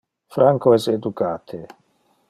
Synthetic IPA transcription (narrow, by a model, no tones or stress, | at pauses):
fɾaŋkoɛsed̪ukaːt̪ʰe